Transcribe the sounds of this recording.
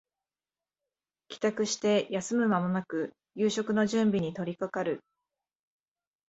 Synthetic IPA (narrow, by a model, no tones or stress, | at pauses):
kʲi̥t̪akɯ̟ɕi̥t̪e̞jasɨmɯ̟mamo̞nakɯ̟ | jɯːɕo̞kɯ̟no̞ʑɨ̃mbʲiɲ̟it̪o̞ɾʲikakaɾɯ̟